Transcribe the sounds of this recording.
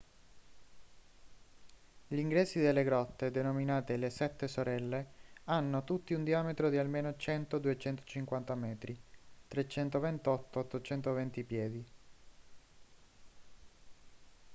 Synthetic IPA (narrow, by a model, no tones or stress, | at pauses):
ʎiŋɡɾɛːsid̪elːeɡɾɔt̪ːed̪enominaːt̪elesɛt̪ːesoɾɛlːeanːot̪ut̪ːiund̪iaːmet̪ɾod̪ialmeːnot͡ʃɛnt̪od̪uet͡ʃɛnt̪o̥t͡ʃiŋkwant̪amɛːt̪ɾit̪ɾet͡ʃɛnt̪ovent̪ɔt̪ːoːt̪ːot͡ʃɛnt̪ovɛnt̪ipjɛːd̪i